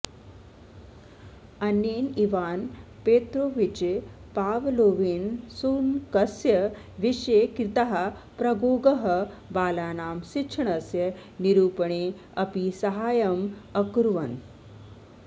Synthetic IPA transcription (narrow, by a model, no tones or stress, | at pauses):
ɐnjeːniʋaːnpeːt̪ɾoʋit͡ʃe | paːʋloːʋiːnsuːnkɐsjɐ | ʋiʃekɾit̪aɦɐ | pɾɐɡoːɡɐɦɐ | baːlaːnaːmsitʂʰɳɐsjɐniɾuːpɳeː | ɐpisɐɦaːjɐmɐkɾuʋɐn